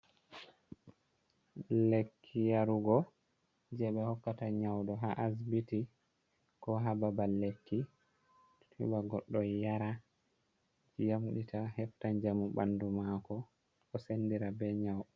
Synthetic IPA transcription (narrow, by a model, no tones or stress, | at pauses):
lekʰːijaɾuɡɔ | d͡ʒɛɓɛhɔkːataɲawdɔɦaʔasbiti | kɔɦababalːekːi | tʰṵɓaɡɔɗːɔjaɾa | jamɗitʰahɛftaɲd͡ʒamuɓandumakɔ | kɔsenːdiɾabɛɲawɗ